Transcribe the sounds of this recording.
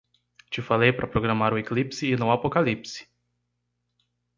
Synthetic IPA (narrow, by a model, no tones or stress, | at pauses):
t͡ʃɪfalejpɾʔɐpɾoɡɾamaɾʊeklipsɪːnʊapokalipsɪ̥